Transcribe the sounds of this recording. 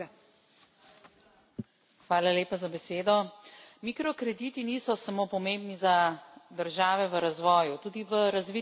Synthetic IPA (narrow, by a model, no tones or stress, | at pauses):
xʋaːlaleːpazabɛseːd̪ɔmikɾɔkɾɛd̪iːt̪iniːsɔsamoːpɔmembnizad̪əɾʒaːʋɛʋəɾazʋɔːjut̪uːd̪iʋəɾazʋi